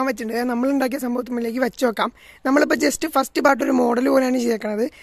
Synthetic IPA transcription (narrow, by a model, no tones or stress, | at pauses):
aːmʋɐt͡ɕːuɳɖɨnɐmːɐɭuɳɖaːk̬ijɐsɐmbʱɐʋɐt̪ːumɐɭile̞ːk̬ːɨʋɐt͡ɕːuʋɐkːaːm | nɐmːɐɭip̬ːoːd͡ʑe̞stɨfɐsʈɨpaːʈ̬ːo̞ɾumo̞ːɽɐlpoːlejaːɳɨt͡ɕejakːɐɳɐ̃mɐðɨ